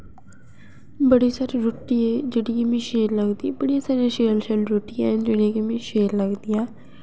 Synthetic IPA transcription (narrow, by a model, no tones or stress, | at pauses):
bəɽiːsaːɾiɾoʈːiɛːd͡ʒeːɽikemẽːʃeːɾləɡd̪iːbəɽijãːsaːɾjãːʃeːlʃəlɾoʈːijãːd͡ʒeːɽijĩːkimẽːʃeːɾləɡd̪ijãː